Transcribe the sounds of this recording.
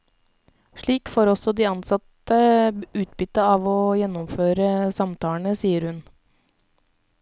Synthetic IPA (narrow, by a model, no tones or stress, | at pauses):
ʂɭiːkfoːɾɔsɔd̪iːɑnsɑt̪əʉːt̪̚bʏt̪ːəɑːʋɔːjɛnːʊmføːɾəsɑmt̪ʰɑːɳəsiːəɾhʉn